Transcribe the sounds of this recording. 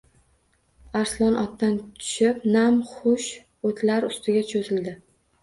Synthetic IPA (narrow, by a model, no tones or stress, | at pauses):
aɾslˠɒnʔɒt̪ːant̪ʰʊ̥ʃɪpnamχʊʃ | ot̪ʰlaɾʊst̪ʰɪɡʲat͡ʃʰozɪld̪ɪ